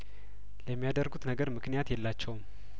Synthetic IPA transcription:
ləmːijad̪ərɡut̪nəɡəɾmɨknijat̪jɛlːat͡ʃːɛwm

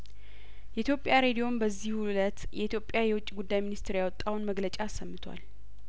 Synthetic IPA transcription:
jɛʔit̪ʰjo̞pʼjaɾe̞d̪ijo̞nbəzːihhulət̪jɛʔit̪ʰjo̞pʼːjajɛwʊt͡ʃʼːiɡud̪ːajminist̪ʰɾjawɔt̪ʼːawnməɡlət͡ʃʼaːsːəmːɨt̪ʰwa̰l

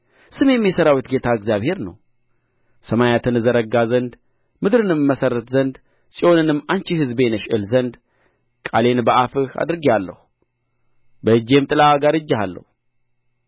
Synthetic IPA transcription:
sɨmjɛmːjɛsəɾawit̪ɡe̞t̪ʰaɨɡzjaβhe̞ɾnə̰w | səmajat̪ʰɨnzəɾəɡːazənd̪ | mɨd̪ɾɨnɨmːəsəɾət̪zənd̪ | sʼiʔo̞nɨnɨmːant͡ʃihɨzbe̞nəʃɨlzənd̪ | kʼale̞nbəʔafɨha̰d̪ɾɨɡialːə̰hu | bəɨd͡ʒːe̞mt̪ʼɨlaaɡaɾɨd͡ʒːahalːə̰hu

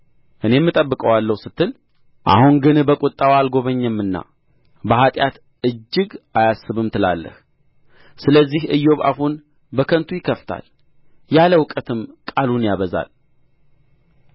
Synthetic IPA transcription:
ʔɨne̞mːɨt̪ʼəbːɨkʼəwalːəwsɨt̪ʰːɨl | ʔa̰huŋɡɨnbəkʼʊt̪ʼːawalɡo̞βəɲːɛmːɨnːa̰ | bəhat̪ʼjat̪ | ɨd͡ʒːɨɡajasːɨβɨmt̪ʰɨla̰lːə̰h | sɨləzːihʔɨjːo̞βa̰hun | bəkʰənt̪ʰujɪkʰːəft̪ʰa̰l | jaləwkʼət̪ʰɨmkʼalunjaβəza̰l

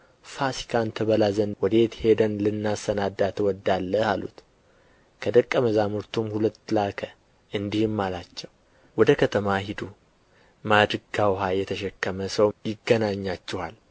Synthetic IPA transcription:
fasi̥kʰant̪ʰəβəlazənwɔd̪e̞t̪he̞d̪ənlɨnːasənad̪at̪ʰwɔd̪alːəhalṵt̪ | kʰəd̪əkʼːəməzamɨɾt̪ʰumhulət̪ːlakʰə | ʔɨnd̪ihɨmːalat͡ʃːɛw | wɔd̪əkʰət̪ʰəmahid̪u | mad̪ɾɨɡawɦajɛt̪ʰəʃɛkːəməsəwjɪɡːənaɲːat͡ʃːɛhal

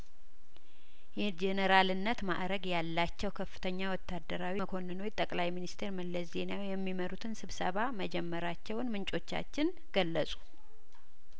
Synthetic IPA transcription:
jɛd͡ʒɛnəɾalɨnːət̪ma̰ʔɾəɡjalːat͡ʃːɛwkʰəfːɨ̥t̪ʰəɲːawɔt̪ːad̪ːəɾawikʰo̞nːɨnojt̪ʼəkʼlajminist̪ʰeɾməlːəsze̞nawjɛmːiməɾut̪ʰɨnsɨβsəβaməd͡ʒɛmːəɾat͡ʃːɛwnmɨnt͡ʃʼo̞t͡ʃːa̰t͡ʃːɪn | ɡ̥əlːəsʼu̥

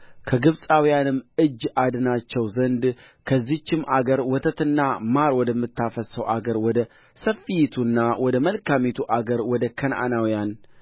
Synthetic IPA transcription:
kʰəɡɨβsʼawijanɨmɨd͡ʒːʔad̪ɨnat͡ʃːɛwzənd̪ | kʰəzːit͡ʃːɪmʔaɡəɾwɔt̪ʰət̪ɨnːamaɾwɔd̪əmːɨt̪ʰːafəsəwʔaɡəɾwɔd̪ə | səfijit̪ʰunːawɔd̪əməlkamit̪ʰuʔaɡəɾwɔd̪əkʰənʔa̰nawijan

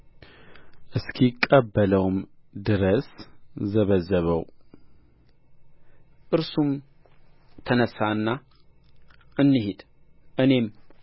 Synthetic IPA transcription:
ʔɨskʰikʼːəbːələwmd̪ɨɾəszəβəzːəβəw | ʔɨɾsum | t̪ʰənəsaɨnːa | ʔɨnːɨɦed̪̥ | ʔɨne̞m

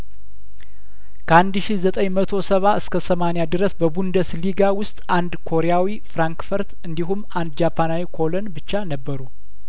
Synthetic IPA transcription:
kʰəand̪ʃihzət̪ʼəɲmət̪ʰo̞səβaʔɨskʰəsəmanejad̪ɨɾəsbəbund̪əsliɡawʊst̪ʼʔand̪kʰo̞ɾejawifɾaŋkfəɾt̪ɨnd̪iɦumːand̪d͡ʒapʰanawikʰo̞lənbɨt͡ʃːanəbːəɾu

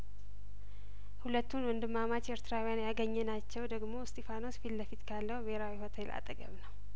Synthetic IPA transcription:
hulət̪ːunwɔnd̪ɨmːamat͡ʃeɾt̪ʰɨɾawijanjaɡəɲːɛnat͡ʃːɛwd̪əɡmo̞st̪ʰefano̞sfilbəfit̪kʰalːəhbehɾawiho̞t̪ʰelʔa̰t̪ʼəɡə̰βnəw

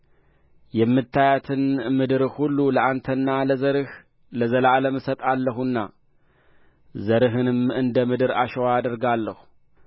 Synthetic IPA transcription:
jɛmːɨt̪ʰːajat̪ʰɨnmɨd̪ɨɾɨhulːuləʔant̪ʰənːaləzəɾɨh | ləzəlaləmɨsət̪ʼalːəɦunːa̰ | zəɾɨɦɨnɨmɨnd̪əmɨd̪ɨɾa̰ʃɛwaad̪əɾɡalːəhu

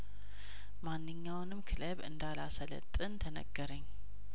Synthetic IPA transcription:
manːɨɲːawnɨmkʰɨləβɨ̰nd̪alasələ̰t̪ʼːɨnt̪ʰənə̰ɡ̥ːəɾəɲː

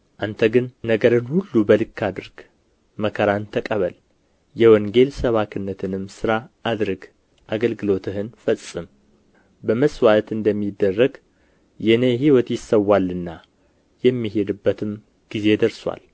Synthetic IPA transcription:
ʔant̪ʰəɡɨnːəɡəɾɨnhulːubəlɨkʰːad̪ɨɾɡ̥ | məkʰəɾant̪ʰəkʼəβəl | jɛwɔŋɡe̞lsəβakʰɨnːət̪ʰɨnɨmsɨɾaʔad̪ɾɨɡ | ʔaɡəlɡɨlo̞t̪ʰɨɦɨnfəsʼɨm | bəməswat̪ɨnd̪əmːid̪ːərːəɡ | jɛneɦiwɔt̪jɪsːəwːalːɨnːa | jɛmːiɦe̞d̪ɨbːət̪ʰɨm | ɡ̥ize̞d̪əɾswʷa̰l

